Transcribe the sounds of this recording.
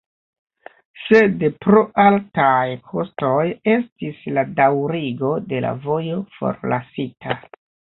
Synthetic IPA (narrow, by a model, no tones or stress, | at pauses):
se̞dpɾo̞ʔaltajkʰo̞sto̞je̞stisladawɾiɡo̞de̞la̰vo̞jo̞fo̞̰ɾlasitʰa